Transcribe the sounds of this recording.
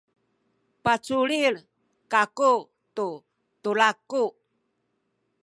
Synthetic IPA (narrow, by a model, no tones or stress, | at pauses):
pat͡suliɭ | kaku | t̪u | t̪ulaku